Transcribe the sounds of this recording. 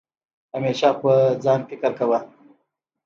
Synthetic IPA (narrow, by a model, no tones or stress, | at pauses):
hameʃapəd͡zɑnfɪkɪɾkawa